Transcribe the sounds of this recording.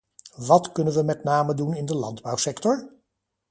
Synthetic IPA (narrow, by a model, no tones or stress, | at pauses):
ʋɑtkɵnənʋəmɛtnaːmədunɪndəlɑ̰ndbʌwsɛktɔɹ